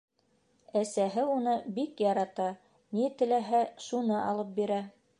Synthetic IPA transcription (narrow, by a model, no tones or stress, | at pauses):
æsæɦɘunɤbikjɑɾɑt̪ɑ | nit̪ɘ̆læɦæʃunɤʔɑ̰lˠɤp̚biɾæ